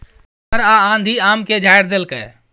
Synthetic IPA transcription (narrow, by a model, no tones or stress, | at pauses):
pəɾaãːnd̪ʱiaːmked͡ʒʱaːjɾd̪elkə̰ː